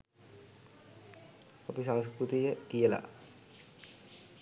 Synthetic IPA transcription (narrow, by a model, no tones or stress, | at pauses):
apisaŋskɾut̪ijəkijəla̰